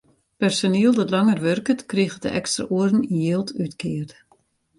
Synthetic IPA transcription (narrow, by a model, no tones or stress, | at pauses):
pɛrsoniəlˠdɔtlɑŋərʋørkətkriɣədə̰ʔɛkstra̰ʔuərn̩injeːlˠtytkʰɪːərt